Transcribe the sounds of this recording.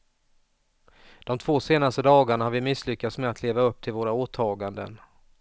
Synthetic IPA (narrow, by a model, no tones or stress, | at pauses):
d̪̥ɔmt̪ʰvoːseːnast̪əd̪ɑːɡaɳahaɾvɪmɪslʏkːat̪smeat̪leːvaɵp̚ːt̪ʰɪlvoːɾaoːt̪ʰɑːɡand̪ə̰n